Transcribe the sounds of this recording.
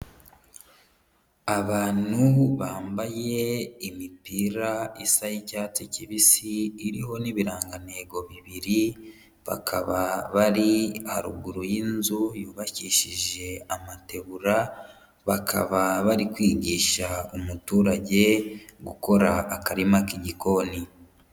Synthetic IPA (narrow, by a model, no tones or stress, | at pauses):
aβaːn̥huβaːmbaje̞imipiɾaisajicaːticiβisiːɾiɦo̞niβiɾaːŋɡane̞ːɡo̞βiβiɾi | βa̰kʰa̰βaβaɾihaɾuɡuɾujinzujuːβaciʃiʒe̞amate̞βuɾa | βakʰa̰βaβaɾikwiːɟiːʃaumutuːɾaɟe̞ɡuko̞ɾaːkaɾimakiɟiko̞ni